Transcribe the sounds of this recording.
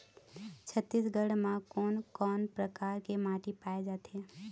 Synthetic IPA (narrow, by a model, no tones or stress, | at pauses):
t͡ʃʰət̪ːiːsɡəɽmãkɔːnkɔːnpɾəkaːɾkemaːʈipaːed͡ʒaːt̪eː